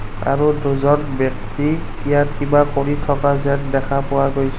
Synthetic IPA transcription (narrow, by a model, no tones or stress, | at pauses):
a̰ɹuduzɔnbɛk̚ti | ijatkibaxoɹitʰɔkazɛtdɛkʰapʊwaɡojs